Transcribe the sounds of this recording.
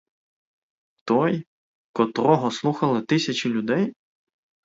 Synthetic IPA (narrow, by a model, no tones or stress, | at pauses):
t̪ɔj | kɔt̪ɾɔɦɔslˠuxɐlˠɪt̪ɪsʲɐt͡ʃɪlʲʊd̪ɛj